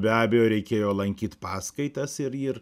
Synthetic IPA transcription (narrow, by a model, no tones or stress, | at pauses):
bʲæːbʲɛjoːɾʲɛɪkʲeːjoːlˠɐŋʲkʲiːt̪pɑːskɐɪt̪ɐsɪɾiːr